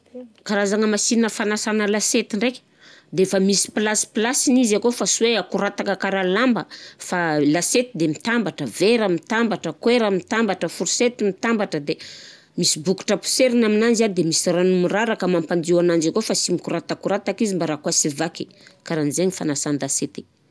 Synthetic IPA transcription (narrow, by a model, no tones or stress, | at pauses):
kaɾazaŋəmasinnəfanasanəlaset̪iɳɖ͡ʐekʲ | d̪eefəmisi̥plasi̥plasinizakofasuweakuɾat̪akəkaɾalambəfalaset̪id̪emit̪ambaʈ͡ʂəveɾəmit̪ambaʈ͡ʂəkweɾamit̪ambaʈ͡ʂəfuɾuset̪imit̪ambaʈ͡ʂəd̪e | misibuku̥ʈ͡ʂapu̥seɾinaminand͡ʒad̪emisiranumiraɾakəmampand̪iwanand͡ʒakofasimikuɾat̪akuɾat̪akizimbaɾakwasivake | kaɾanzeɲifanasanlaset̪e̥